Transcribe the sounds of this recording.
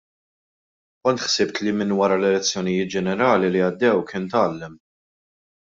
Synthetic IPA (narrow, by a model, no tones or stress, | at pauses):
kɔnt̪ħsɪp̚t̪limɪnwɐɾɐlɛlɛt͡sːjɔnɪjɪːt̪̚d͡ʒɛnɛɾɐːliliɐd̪ːɛwkɪːnt̪ɐːlːɛm